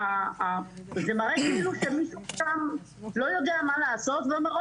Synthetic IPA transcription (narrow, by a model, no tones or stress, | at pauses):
a | zemaʁekiiluʃemiʃuʃam | lo̞jo̞d̪eamalaːso̞t̪vomeʁo